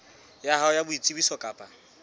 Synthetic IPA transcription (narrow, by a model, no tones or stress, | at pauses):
jaɦaʊjabʊit͡sʼibisɔkʼaːpʼa